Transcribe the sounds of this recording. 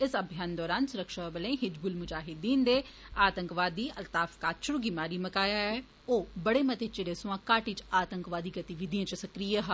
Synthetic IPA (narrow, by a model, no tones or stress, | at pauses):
ɪsəbʱjaːnd̪ɔːɾaːnsʊɾəkʃabəlẽːɦɪd͡ʒbʊlmʊd͡ʒaːɦɪd̪ːĩːnd̪eː | aːt̪əŋkʋaːd̪ːiːʔəlt̪aːfkaːt̪t͡ʃʰʊɾuɡɪmaːɾiːməkaːjaːɛː | oːbəɽeːmət̪eːt͡ʃeɽeːsʊ̃ãːkaːʈiːt͡ʃaːt̪əŋkʋaːd̪iːɡət̪iʋɪd̪ijãːt͡ʃsəkɾiːjaɦaː